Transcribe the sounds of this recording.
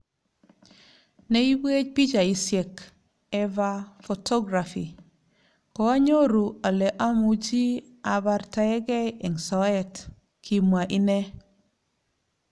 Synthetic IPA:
ne˦i˦be˦t͡ʃ̚pi˦d͡ʒa˨i˨sjɛ˨k | ɛ˦va˦fo˨tɔ˦ɡɾa˨fi˨ | kɔ˦a˦ɲo˦ɾu˨a˨lɛ˨ʔa˦mu˨d͡ʒi˦ | a˨ba˨ɾta˨ɛ˦ɡɛ˦jɛ˨ŋsɔ˨ɛ˦t | kʰi˨mwa˨ʔi˦nɛ˦

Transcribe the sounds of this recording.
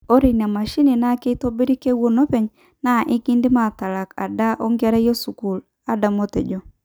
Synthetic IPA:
o˦ɾe˨n˨a˨ma˨ʃi˦ni˨na˦ke˦to˦bi˦ɾi˦ke˦wo˦no˦pe˨ɲ | na˦˨ʔɪ˦ɡi˦ndi˦ma˨ta˨ɾa˨ka̰˨da˦ʔo˦ŋɡa˦ɾa˦jo˦su˨ku˨l | a˦da˨mo˦te˨d͡ʒo˦

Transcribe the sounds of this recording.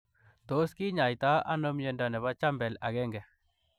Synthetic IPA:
t̪o˦ski˦ɲa˨jt̪a˦ʔa˦no˦mje˧nda˨nɛ˨βa˦t͡ʃa˦mbɛ˨la˨ɡɛ˦ŋɡɛ˨

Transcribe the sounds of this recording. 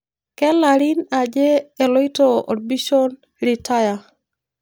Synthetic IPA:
kɛ˦la˨ɾi˦na˨d͡ʒɛː˦˨lɔ˦i˦to˦ʔo̰˨d̚bi˦ʃo˦n | ɾi˨ta˦ja˨

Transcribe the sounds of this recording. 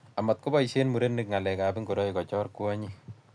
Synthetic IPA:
a˨ma˨t̚ko˦ba˦iʃeː˦nmu˨ɾe˦nːɪ˨kŋa˨lɛka˨bi˦ŋɡo˨dɔ˦ikɔ˨t͡ʃɔ˦rku˦aɲi

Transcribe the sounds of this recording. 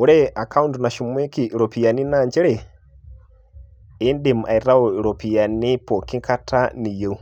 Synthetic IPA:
u˨ɾɛa˨ka˦u˦ntuna˨ʃu˨mɛ˦ki˨ʔɾɔ˨pi˨ja˨ni˦naɲd͡ʒɛ˦ɾɛ˨ | i˦ndi˨m˨a˨i˨ɾa˦ɔ˨iɾɔ˨pi˨ja˨ni˦pɔ˨ki˦ŋka˦tʰa˦ni˨je˨u˦

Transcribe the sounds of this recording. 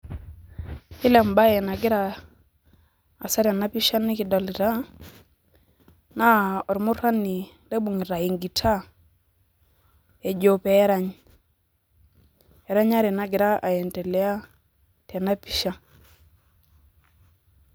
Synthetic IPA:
ɪ˦lɛ˨mba˦jɛ˨na˨ɡɪ˦ɾa˦˨ | sa˦ɾa˨na˦pi˦ʃa˦ni˦ki˨dɔ˨li˨ta˦ | na˦ɔ˨ɾmʊ˦ɾa˦ni˨ | le˦bu˨ŋi˨ɾa˨i˨ŋɡi˨tʰa˦ | ɛ˨d͡ʒo˨pɛ˨˦ɾa˦ɲ | ɛ˨ɾa˦ɲa˦ɾe˨na˨ɡɪ˨ɾa˦ʔa˨jɛ˨ntɛ˨lɛ˦a˦ | tɛ˨na˦pi˦ʃa˦

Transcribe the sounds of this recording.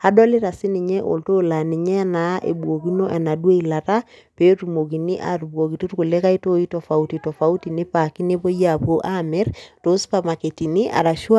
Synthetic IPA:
ha˦dɔ˦li˦ɾa˨si˦ni˨ɲɛ˦ʔo̰˨lto˦la˨ni˨ɲɛ˦na˨˦ʔḛ˨bu˨o˨ki˦no˦ʔɛ˨na˨dwe˦ila˨ta˦pe˨˦tu˨mo˨k̬i˨ni˦ʔa̰˨ɾbwo˨ki˨tu˦ɾku˨le˦ka˦i˦to˦i˦tɔ˨fa˨u˦ti˨tɔ˨fa˨u˦ti˨ni˦pa˨ki˦ne˦po˦ja˨po˦ʔa˦mɛ˦ɾto˨˦spa˨ma˨ke˨ti˨ni˦ʔa̰˨ɾa˨ʃu˦

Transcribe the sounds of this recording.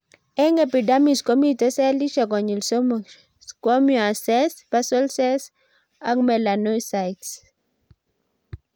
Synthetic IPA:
ɛ˦ŋepi˨dami˨skɔ˦mite˦sɛ˦li˦ʃa˨k̬ɔ˨ɲi˨lsɔm | kɔ˦mjɔ˨a˨sɛspasɔlsɛs | akmɛlanɔjsajts

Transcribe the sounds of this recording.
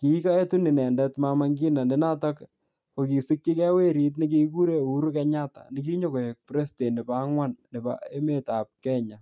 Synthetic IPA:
ki˨˦ka˦e˦tu˦ni˨nɛ˨ndɛ˦tma˦ma˦ŋɡi˦na˨nɪ˨na˦ta˦k | ko˨ki˨si˦k̚ki˦kɛ˦we˦ɾi˦t̬ni˦k̬i˦ku˦ɾe˦u˦ɾu˦kɛ˦ɲa˦ta̰˨nɪ˨k̬i˦ɲo˦ko˨je˨k̚pɾe˦ste˨nɪ˨pa˦ŋwa˦nnɪ˨ba̰˦e˦me˨ta˨p̚kɛ˦ɲa˨

